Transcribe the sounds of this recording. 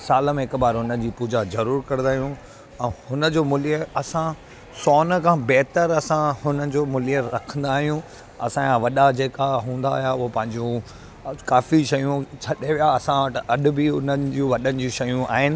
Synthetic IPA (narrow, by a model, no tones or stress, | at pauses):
saːləmẽɦɪkbaːɾɦʊnə̆d͡ʑiːpuːd͡ʑazɐɾuːɾkɐɾ̃nd̪aːɦijũ | ɛ̃ːhʊnə̆d͡ʑoːmʊlijəɐsã | sɔːnə̆kʰãːbɛɦt̪əɾɐsãhʊnəd͡ʑoːmʊlijəɾɐkʰə̃n̆d̪aːɦijũ | ɐsããʋɐɗad͡ʑeːkaɦũːn̆d̪a̰ːɦjaʊɦopɐ̃ɦɪ̃ɲd͡ʑũ | kaːfiʃɐjũt͡ɕʰɐɗeʋijaɐsãʋɐʈɐɗʊ̆bɪʊnəd͡ʑũʋɐɗənɪ̆d͡ʑũʃɐjũʔa̰ːɦɪnɪ̆